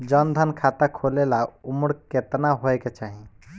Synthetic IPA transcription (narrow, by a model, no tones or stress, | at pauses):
d͡ʒənd̪ʱənkʰat̪akʰolelaumɽket̪naɦoeket͡ʃaɦi